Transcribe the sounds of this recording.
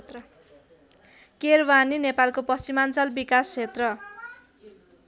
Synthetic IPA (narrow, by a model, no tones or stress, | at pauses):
t̪rʌ | kerbaninepalkopʌst͡simant͡sʌlbikast͡sʰet̪rʌ